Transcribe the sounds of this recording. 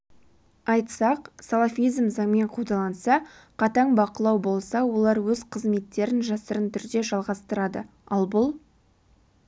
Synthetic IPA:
ɑjt̪sɑqsalˠafijzmzɑŋme̞ɴqʰud̪ɑlˠɑnsɑqʰɑt̪ɑɴbɑqəlˠɑwbo̞lˠsɑwo̞lˠɑɾwɵzqʰəzme̞t̪ːe̞ɾɪnʒɑsəɾənt̪ʰʏɾd̪e̞ʒɑlˠʁɑst̪əɾɑd̪ə | ɑlˠbʊlˠ

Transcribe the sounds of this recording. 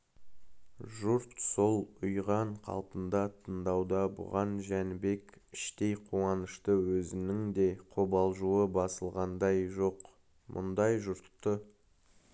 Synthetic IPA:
ʒʊɾt̪so̞lˠʊjʁɑɴqʰɑ̰lˠpənd̪ɑt̪ʰənd̪ɑwd̪ɑbʊ̰ʁɑnʒænbe̞kɪʃt̪e̞jqʰuɑnəʃt̪əwɵzɪnɪŋd̪e̞qʰobɑlˠʒuəbɑsəlˠʁɑnd̪ɑjʒo̞q | mʔʊ̰nd̪ɑjʒʊɾt̪ːə

